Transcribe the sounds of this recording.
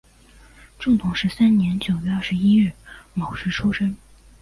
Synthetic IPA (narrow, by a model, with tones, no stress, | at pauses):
ʈ͡ʂʊ˥˩ŋt̪ʰʊ˨˩ŋʂɻ̩˧˥sa˥nnjɛ˧˥nt͡ɕjo˨˩ʊɥɛ˧˥ɐ˥˩ʂɻ̩˧˦i˥ɥɛ˥˩mɑ˨˩ʊʂɻ̩˧˥ʈ͡ʂʰu˥ʂə˥ŋ